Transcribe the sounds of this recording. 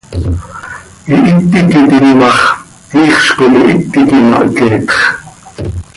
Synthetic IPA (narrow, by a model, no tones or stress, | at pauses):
ʔiʔit̪ːikit̪inmɑχ | iːχʃkomiʔit̪ːikimɑ̰ʔkɛːt̪χ